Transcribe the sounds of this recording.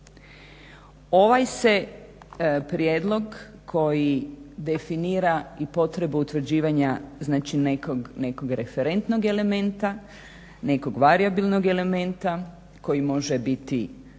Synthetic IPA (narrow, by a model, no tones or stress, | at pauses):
o̞ʋajse̞ | pɾjeːd̪lˠo̞ɡ | kʰo̞jid̪e̞finiːɾaipo̞t̪ɾe̞buut̪ʋr̩d͡ʑiːʋaɲaznaːt͡ʃinekoɡne̞ko̞ɡɾe̞fe̞ɾe̞nt̪no̞ɡe̞le̞mẽ̞nt̪a | ne̞ko̞ɡʋaɾiabilnoɡe̞le̞mẽ̞nt̪a | ko̞jimo̞ʒebit̪ḭ